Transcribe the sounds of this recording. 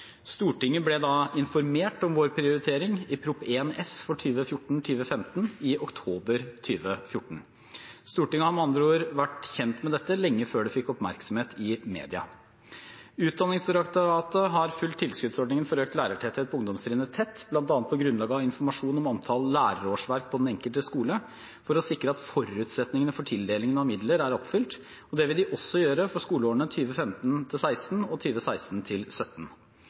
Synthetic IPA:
st̪uːʈɪŋːəblɛd̪ɑɪnfɔɾmeːʈɔmʋoːɾpʰɾɪʊɾɪt̪ʰeːɾɪŋɪpʰɾʊpːeːnɛsfɔʈʰyːʋəfjʊʈːɳ̩t̪ʰyːʋəfɛmt̪n̩ɪʔɔkt̪ʰoːbəɾt̪ʰyːʋəfjʊʈːɳ̩ | st̪uːʈɪŋːəhɑɾɔmɑnd̪ɾəoːɾʋæʈçɛnt̪mɛd̪ɛt̪ːəlɛŋːəføːɖɛfɪkːɔpmæɾksɔmheːt̪ʰɪmḛːd̪ɪɑ̰ | ʉːt̪̚d̪ɑnːɪŋsəɾɑkt̪əːt̪ːəɦɑɾfʉlt̪ʰːɪlskʉd̪sɔɖɳɪŋənfɔɾøːkt̪læːɾəʈʰɛt̪ʰɛt̪̚pʰɔʊŋd̪ɔmsɾɪːnət̪ʰɛt̪ːb̥lɑnt̪ɑnt̪̚pʰɔɡɾʉnlɑːɡəɑʋɪnfɔɾmɑʂuːnɔmɑnt̪ʰɑlːæːɾəɾoːʂʋæɾk̚pʰɔd̪ɛnɛŋkəlt̪əskuːlə | fɔɾɔsɪkɾəɑt̪fɔɾʉːt̪sɛt̪nɪŋənəfɔʈʰɪld̪eːlɪŋənɑmɪd̪ləɾæɾɔpfʏlt̪ | ɔd̪ɛʋɪld̪ɪʔɔsːɔjøːɾəfɔʂkuːləoːəɳət̪ʰyːʋəfɛmt̪nt̪ʰɪlsæɪsn̩ɔt̪ʰyːʋəsæɪst̪n̩t̪ʰɪlsœt̪n̩

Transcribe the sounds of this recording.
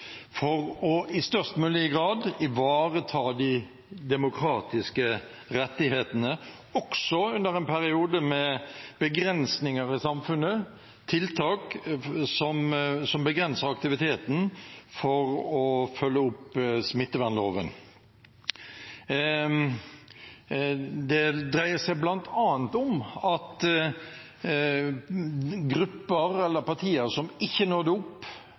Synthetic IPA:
fɔʁɔɪst̪œʁst̪mʉːlɪəɡʁɑːd̪ɪʋɑːʁət̪ʰɑːd̪ɪ | d̪ɛmʊkʰɾɑːt̪ɪskə | ɾɛt̪ːɪheːt̪ənə | ɔksɔʉnd̪əɾɛnpʰæɾɪuːd̪əmɛb̥əɡɾɛnsnɪŋəɾɪsɑmfʉnːə | t̪ʰɪlt̪ʰɑːksɔmsɔmbəɡɾɛnsəʁɑkt̪ɪʋɪt̪ʰeːt̪n̩fɔɾɔfœlːəʊpsmɪt̪ːəʋænloːʋə̰n | d̪ɛd̪ɾæɪəsæɪblɑnt̪ʰɑːənt̪ʊmɑt̪ | ɡɾʉpːəɾɛlːəpɑt̪ʰiːəɾsɔmɪçːənoːd̪ɛʊpː

